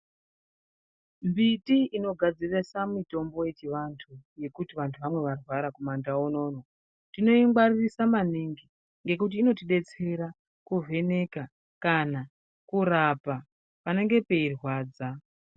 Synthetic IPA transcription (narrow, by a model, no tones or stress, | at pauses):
mbitiino̞ɡʱad͡ziresamito̞mbo̞je̞t͡ʃiʋantʰuje̞kutiʋantʰuʋamwe̞ʋarwaɾakumandaono̞ːno | tino̞iŋɡwaririsamaniŋɡi | ŋɡe̞k̬ut̬iːno̞tiɗe̞t͡se̞ɾa | kuvʱe̞ne̞ka | kana | kurapa | pane̞ŋɡe̞pe̞irwaːd͡za